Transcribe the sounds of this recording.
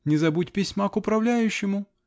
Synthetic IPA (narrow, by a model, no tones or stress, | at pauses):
nʲɪzɐbutʲpʲɪsʲmakʊpɾɐvlʲæjʉɕːɪmʊ